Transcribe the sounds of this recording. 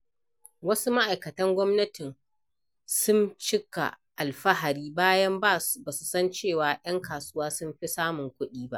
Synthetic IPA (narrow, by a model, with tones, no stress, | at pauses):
wɐ˦su˦ma˦ʔa˨jkɐ˨tɐ˦ŋɡʷɔ˦mnɐ˦tɪ˨n | sʊ˦nt͡ʃɪ˦ka̰˨ | ʔa˨lɸɐ˦ɦa˨ɾiː˦baː˦jɐ˦mbaː˦˨sbaː˨su˨sɐ˦nt͡ʃeː˦˨waː˨j̰ɐ˦ŋkaː˨sʊ˦waː˦sʊ˦mɸi˦saː˦mʊ˨ŋkʷʊ˦ɗiː˦ba̰˦ʔ